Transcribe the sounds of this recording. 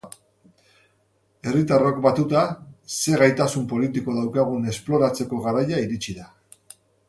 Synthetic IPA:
e̞rit̪arakbat̪ut̪ase̞ɣajt̪asumpo̞lit̪iko̞ðawkaɣune̞splo̞ɾat͡se̞ko̞ɣaɾajaiɾit͡ʃiða

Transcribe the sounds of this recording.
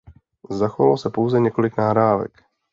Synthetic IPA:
zaxovalosɛpo̞wzɛɲɛko̞lɪknaɦɾaːvɛ̰k

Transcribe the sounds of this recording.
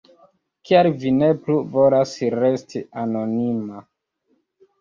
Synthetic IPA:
kʰiaɾvine̞pluvo̞lasɾe̞stʰiano̞nima

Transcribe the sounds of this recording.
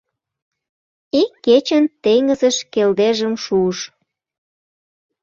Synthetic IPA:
ikːet͡ɕənt̪eŋəzəʃkeld̪eʒəmʃuʃ

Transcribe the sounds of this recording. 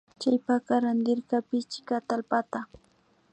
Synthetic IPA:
t͡ʃajpakaɾand̪ɪɾkapɪt͡ʃɪ̥kat̪alpat̪a

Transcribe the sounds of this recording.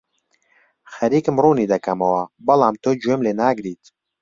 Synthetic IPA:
xɐɾiːkɨmruːniːd̪ɐkʰɐmɐwɐbɐlˠaːmt̪oːd͡ʒwemleːnaːɡɾiːt̪

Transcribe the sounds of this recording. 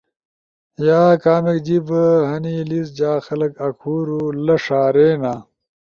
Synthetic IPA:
jaːkaːmekd͡ʑibɦɐnilis̬d͡ʑaːxɐlɐkɐkʰuːɾulɐʂaːɾeːnaː

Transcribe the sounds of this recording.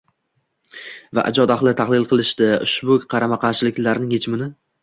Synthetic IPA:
va̰ʔa̰d͡ʒɒd̪aχlˠɪt̪ʰaχlˠɪlˠqʰɨlˠɪʃt̪ɪʊ̰ʃbʊqʰɑɾamaqʰɑɾʃɪlɪkʲlaɾnɪŋhet͡ʃʰɪmɪnɪ

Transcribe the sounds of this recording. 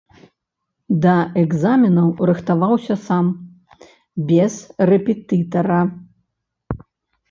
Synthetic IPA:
d̪ɐɛɡzamʲinɐwɾɨxt̪avawsʲɐsam | bʲɛz̥rɛpʲɛt̪ɨt̪ɐɾɐ

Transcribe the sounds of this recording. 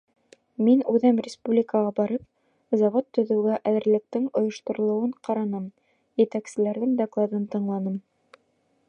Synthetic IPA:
minʉðæmrʲɪspublʲɪkəʁɑbɑɾɤp̚ | zɑvot̪ːɵ̆ðɘ̆wɡæʔæðɘ̆ɾlɘ̆k̚t̪ɘŋŏjŏʃt̪ŏɾŏlˠŏwɤɴqɑɾɑnɤm | jɘ̆t̪æksɘ̆læɾðɘŋd̪ɐklˠɑd̪ɤnt̪ɤ̆ɴlˠɑnɤm

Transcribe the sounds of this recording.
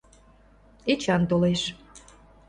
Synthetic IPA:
et͡ɕɑnt̪oleʃ

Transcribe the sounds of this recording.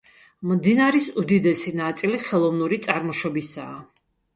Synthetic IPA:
md̪inaɾisud̪id̪ɛsinat̪sʼiliχɛlˠɔvnuɾit̪sʼaɾmɔʃɔbisaː

